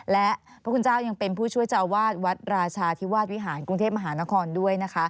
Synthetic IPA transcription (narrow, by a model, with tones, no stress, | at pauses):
lɛ˦˥ʔ | pʰɔ˦˥kʰu˧nt͡ɕaː˥˩wja˧ŋpe˧npʰuː˥˩t͡ɕʰu˥˩əjt͡ɕa˧˩ʔwaː˥˩t̪̚wa˦˥t̪̚ɾaː˧t͡ɕʰaː˧t̪ʰi˦˥waː˥˩t̪̚wi˦˥ɦaː˩˦nku˧ŋt̪ʰeː˥˩p̚ma˧ɦaː˩˦na˦˥kʰɔː˧ndu˥˩əjna˦˥kʰa˦˥